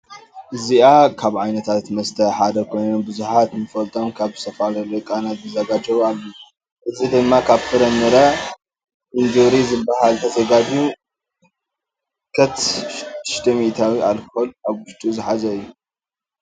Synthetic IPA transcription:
ʔɨziakʰaβʕajnɐt̪ʰat̪mɐst̪ʰɐħad̪ɐkʰo̞jnonbɨzuħat̪mɨfɐlt̪ʰomkʰaβzɨ̥st̪ʰɐfalɐlokʼanat̪̚bɨzɐɡad͡ʒɐβalːo | ʔɨzid̪ɨmːakʰaβfɨɾɐnːɨɾɐ | ʔɨnd̪uɾizɨbːaɦalt̪ʰɐt̪ʰɐɡad̪iu | kʰɐt̪ | ʃt̪ʰɐmit̪ʰawialkolaβwʊʃt̪ʼʰuzɨħazɐɨjːu

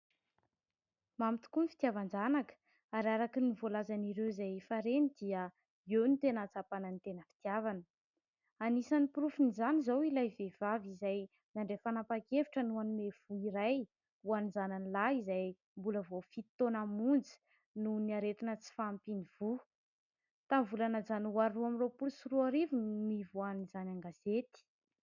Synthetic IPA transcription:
mamit̪u̥kunifi̥t̪iavand͡zanakə̥ | aɾaɾakinivolazaniɾewzajfaɾenid̪iə | ewnit̪enat͡sapanənit̪enəfi̥t̪iavanə | anisanipuɾufunizanizawilajvev̥avizaj | naɳɖ͡ʐefanapakeviʈ͡ʂənuanimev̥uiɾaj | uanizananilaizaj | mbuləvofit̪ːonamund͡zi̥ | nuniaɾet̪inət͡si̥faːmpiniv̥u | t̪amvulanazanwaɾuamiropulsuruaɾivunmivuanizanaŋɡazet̪i̥

